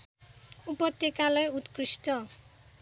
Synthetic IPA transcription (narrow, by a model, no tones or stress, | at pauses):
upʌt̪jekalʌjut̪krisʈʌ